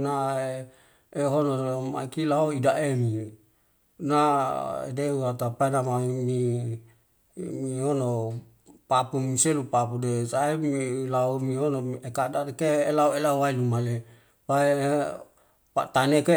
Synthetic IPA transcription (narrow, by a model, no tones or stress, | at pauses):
na | eɦonoma̰ikilaɦoidaʔemi | naḛdeuat̪apaenamami | miiono | papumiselupapudesaemilaumionoekadadekeːlauelauwailumale | pae | pa̰t̪aneke